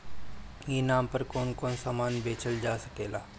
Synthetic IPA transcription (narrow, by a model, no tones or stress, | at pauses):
jeːnaːmpɐɾkoːnkoːnsamaːnbeːt͡ʃʰəld͡ʒaːsɐkeːlaː